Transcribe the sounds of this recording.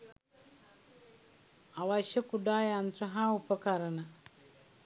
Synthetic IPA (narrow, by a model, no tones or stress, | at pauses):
awaʃɐkuɖaːjant̪ɾɐɦãːupɐkaɾɐna